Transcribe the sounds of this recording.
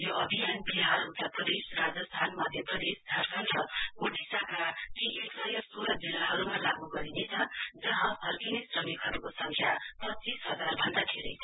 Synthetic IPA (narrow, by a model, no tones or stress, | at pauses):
joʌbʱijanbiɦarɦut̪apʌd̪esrad͡zʌst̪ʰanmʌd̪ʱjʌpʌd̪esd̪ʱʌrkʰʌnʈ̪rʌɡoʈʰisakakiʔeksʌjʌsoɾʌd͡zilaɦʌɾumalaɡuɡʌɾinet͡sʰʌd͡zʌɦʌ̃ɦʌrkinisrʌmikɦʌɾukosʌŋkʰjapʌtːt͡sisɦʌd͡zarbʱʌnd̪at̪ʰeɾejʰ